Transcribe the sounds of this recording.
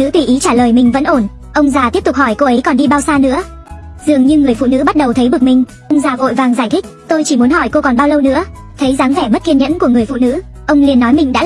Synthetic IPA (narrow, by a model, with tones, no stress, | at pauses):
nɨ̰˧˥t̪wi˨˩ʔi˨˦t͡ɕaː˧˩ləː˨˩jmï˨˩ŋ̟və̰˧˥nʔo˧˩n | ʔə˧wŋ͡mzaː˨˩t̪i˦˥əp̚t̪̚hɔ˧˩jko˧ʔə˨˦jkɔ˨˩nɗi˧ɓaː˧wsaː˧nɨ̰˧˥ə | zɨ˨˩əŋɲɨ˧ŋɨ˨˩əjfṵ˧˨nɨ̰˧˥ɓa˦˥t̚ɗə˨˩wt̪ʰə˨˦jvɨ˨˩ək̚mï˨˩ŋ̟ | ʔə˧wŋ͡mzaː˨˩vo̰˧˨jvaː˨˩ŋzaː˧˩jt̪ʰi˦˥k̚t̪o˧jt͡ɕi˧˩mu˨˦ənɦɔ˧˩jko˧kɔ˨˩nɓaː˧wlə˧wnɨ̰˧˥ə | t̪ʰə˨˦jzaː˨˦ŋvɛ˧˩mə˦˥t̚ki˧nɲə̰˧˥nku˧˩əŋɨ˨˩əjfṵ˧˨nɨ̰˧˥ | ʔə˧wŋ͡mli˨˩ənːɔ˨˦jmï˨˩ŋɗa̰ː˧˥